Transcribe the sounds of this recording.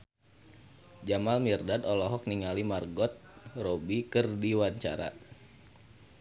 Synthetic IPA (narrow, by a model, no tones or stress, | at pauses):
d͡ʒamalmirdadɔlɔɦɔk̚niŋalimarɡɔt̪̚robikɨrdiwaɲt͡ʃa̰ɾa̰